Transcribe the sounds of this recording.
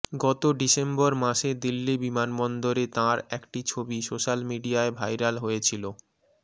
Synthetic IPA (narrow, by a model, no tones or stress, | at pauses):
ɡɔt̪oɖisembɔɾmaʃed̪ilːibimanbɔnd̪oɾet̪ãɾɛkʈit͡ɕʰobisoʃalmiɖiaebʱajɾalɦojet͡ɕʰilo